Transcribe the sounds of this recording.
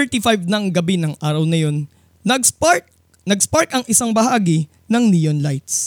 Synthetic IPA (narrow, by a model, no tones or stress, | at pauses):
ɛɹt̪ifajvnɐŋɡɐbinɐŋʔaːɾɐwnɐjo̞n | ɐɡp | nɐɡspaɹkɐŋʔɪsaŋbɐɦaːɡɪ | nɐŋnijonlajt̪s